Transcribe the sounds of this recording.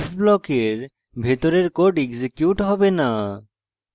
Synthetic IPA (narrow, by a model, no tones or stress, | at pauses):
fblɔkeɾ | bʱet̪oɾeɾkoɾʈeɡsekjuʈɦɔbena